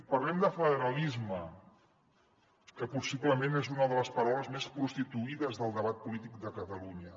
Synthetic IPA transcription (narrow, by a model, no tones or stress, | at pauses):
pərlɛmd̪əfəðəɾəlizmə | kəpusiβləmenezunəðələspəɾawləzmespɾust̪it̪uiðəzðəlˠd̪əβat̪̚pulit̪ik̚d̪əkət̪əluɲə